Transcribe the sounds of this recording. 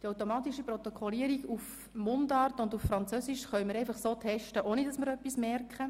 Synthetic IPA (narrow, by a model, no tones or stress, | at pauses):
d̥iawtomɑːt̪iʃipɾɔt̪ɔkʰχɔliəɾiɡuf | mʊndɑːrtʊnduffɾɑnt͡søsiʃχœɥməɾɛɪfɑχsoːtʰɛʃtəʔoːnidɑsmɪɾœpːismɛrkχə